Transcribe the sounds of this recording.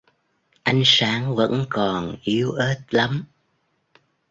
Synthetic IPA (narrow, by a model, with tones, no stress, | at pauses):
ʔa˧˦jŋ̟saː˨˦ŋvə̰˧˥nkɔ˨˩nʔi˨˦əwʔe˦˥t̚la˨˦m